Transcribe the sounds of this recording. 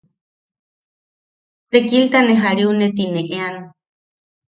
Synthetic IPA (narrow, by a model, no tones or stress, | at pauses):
t̪ekilt̪aneɦaɾiunet̪ineʔeano